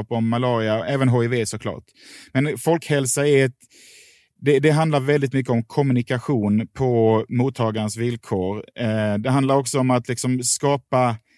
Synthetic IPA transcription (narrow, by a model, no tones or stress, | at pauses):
pɔmːalɑːɾɪaɛːvənɦoːɪveːsɔkʰlɑ̰ːʈ | mɛnfɔlkhɛlsaɛɾɛt̪ | d̪ɛd̪ɛɦand̪laɾvɛld̪ɪt̪mʏkːəɔmkʰɔmɵnɪkaɧuːnpʰɔmuːt̪ʰːɑːɡaɾənsvɪlkʰoːɾd̪ɛɦand̪laɾɔksɔɔmat̪lɪksɔmskɑːpa